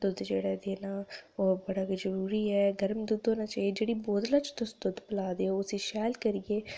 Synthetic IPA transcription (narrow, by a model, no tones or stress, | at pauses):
d̪ʊd̪d͡ʒeːɽaːd̪eːnaːoːbəɽaːkizəɾuːɾiːɛːɡəɾmd̪ud̪oːnaːt͡ʃaːied͡ʒeːɽiːboːd̪laːt͡ʃt̪ʊsd̪ʊd̪pəlaːd̪eːoːsĩːʃɛːlkəɾijeː